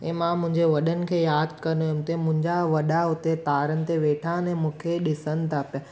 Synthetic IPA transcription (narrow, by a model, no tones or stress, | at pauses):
ẽːmãmʊ̃ɪ̃ɲd͡ʑeʋɐɗənɪ̆kʰeːjaːd̪̚ʱkəɾnoɦemt̪emʊ̃ɪ̃ɲd͡ʑaʋɐɗaɦʊt̪et̪aːɾənɪ̆t̪eʋeːʈʰãnẽmũkʰeɗɪsənɪ̆t̪ʰaːpja